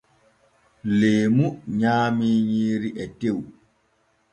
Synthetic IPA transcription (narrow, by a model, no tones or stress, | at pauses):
leːmuɲaːmiːɲiːɾiʔɛtew